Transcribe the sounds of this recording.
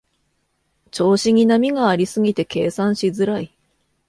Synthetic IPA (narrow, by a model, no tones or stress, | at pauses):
t͡ɕo̞ːɕiɲ̟inamʲiɡaːɾʲisɨɡʲit̪e̞ke̞ːsãɰ̃ɕizɨɾai